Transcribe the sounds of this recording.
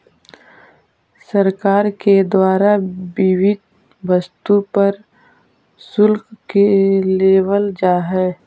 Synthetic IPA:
səɾkaːɾked̪waːɾabɪwɪd̪̚ | ʋɐst̪upɐɾ | sʊlkkeleːwəld͡ʒaːɦɛː

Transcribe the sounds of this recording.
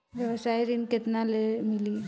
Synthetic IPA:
ʋjɐʋəsajɾinkɪt̪nalemɪli

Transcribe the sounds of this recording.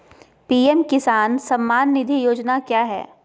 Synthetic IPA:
piːemkɪsaːnsɐmːaːnːɪd̪ʱijoːd͡ʒnakjaːɦɛ̰ː

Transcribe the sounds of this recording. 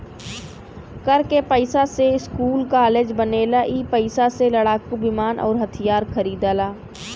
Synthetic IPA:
kəɾkepəɪsaseɪskuːlkaːleːd͡ʒbəneːlaʔiːpəɪsaseləɽaːkubɪmaːnʔɔ̰ːɾɦɐt̪ʰijaːɾkʰəɾiːd̪aːlaː

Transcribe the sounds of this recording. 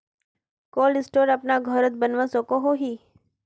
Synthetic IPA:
kɔlɪsʈoɾapnaɡʱəɾət̪bənʋãsɔkoɦoɦi

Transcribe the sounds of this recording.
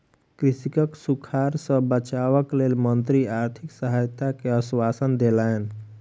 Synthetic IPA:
kɾisikəksukʰaɾsə̃bət͡ʃaβəklelmənt̪ɾiaɾt̪ʰiksəɦajt̪akeəswasənd̪elaen

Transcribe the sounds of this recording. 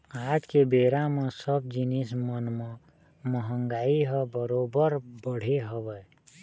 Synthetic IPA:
aːt̪kebeːɾamẽsəb̚d͡ʒinismənmə | məɦəŋɡaːiɦəbəɾobəɾbəɽ̤eɦəbəj

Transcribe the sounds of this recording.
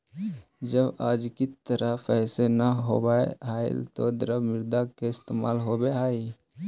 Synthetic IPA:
d͡ʒəbaːd͡ʒkɪt̪əɾəfʰɛːsenaɦo̰ːbaːḛɦaːɪ̰lt̪o̰d̪ɾəbmɪɾd̪akeɪst̪eːmaːlɦobeaːi

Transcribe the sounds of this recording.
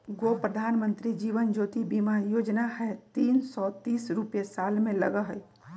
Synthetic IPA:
ɡopɾəd̪ʱaːnmə̃nt̪ɾid͡ʒiːʋənd͡ʒoːt̪ibimajoːd͡ʒnaɦɛt̪iːnsɔt̪iːsɾupjesalmẽlə̰ɡəɦəj

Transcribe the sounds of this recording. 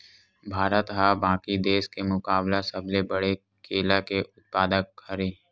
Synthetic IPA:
bʱaːɾət̪ɦabãːkid̪eːʃkemʊkaːblasɐblebəɽe | kʰeːlakeʔʊt̪̚paːd̪əkhɐɾiː

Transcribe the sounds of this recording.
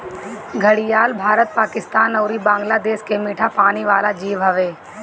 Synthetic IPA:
ɡʱəɽijaːlbʱaːɾət̪̚paːkɪst̪aːnɔːɾibãːŋɡlad̪eːʃkemiːʈʰapaːniʋaːlad͡ʒiːʋɦɐʋeː

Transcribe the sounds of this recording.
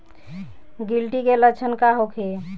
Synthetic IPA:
ɡilʈiɡelət͡ʃʰənkaɦokʰe

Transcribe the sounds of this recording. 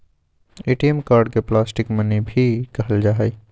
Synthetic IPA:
eːʈiemkaːɾɖ̚keplaːsʈɪkmɐnibʱikɐɦəld͡ʒaːɦi

